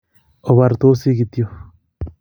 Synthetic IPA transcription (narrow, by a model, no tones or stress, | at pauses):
oβaɾt̪osiɡit̪jo